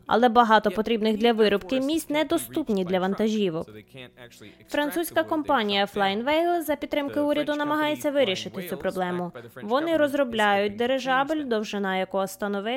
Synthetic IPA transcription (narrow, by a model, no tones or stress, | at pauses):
ɐ̰lˠɛbɐɦɑt̪ɔpɔt̪ɾʲibnɪɣd̪lʲɐʋɪɾɔbkɪmʲisʲt̪ʲnɛd̪ɔst̪upnʲid̪lʲɐʋɐnt̪ɐʒʲiʋʊ | fɾɐnt̪susʲkɐkɔmpɑnʲijɐflˠɑjnʋɛjlˠzɐpʲt̪t̪ːɾɪmkɪuɾʲɐd̪ʊnɐmɐɦɑjet͡sʲːɐʋɪɾʲiʃɪt̪ɪt͡sʲupɾɔblˠɛmʊʋɔnɪɾɔzɾɔblʲajʊt̚ʲd̪eɾeʒɑbɪlʲd̪ɔwʒɪnɑjɐkɔɦɔst̪ɐnɔʋɪ